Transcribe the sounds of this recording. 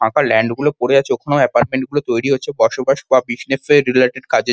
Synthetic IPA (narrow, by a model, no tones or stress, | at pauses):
ãkalɛɳɖɡulopoɽed͡ʑatːt͡ɕʰeokʰonooɛpaɾʈ̚meɳʈ̚ɡulot̪ojɽiɦotːɕʰebɔɾʃobaʃbabiʃnefeɾileʈeɖkad͡ʑe